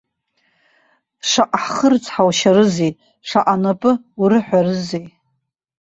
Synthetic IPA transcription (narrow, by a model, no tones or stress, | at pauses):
ʂaʔaħχərt͡sʰʼħawʃaɾɨzej | ʂaʔanapʼɨ | uɾɨħʷᶣarɨzej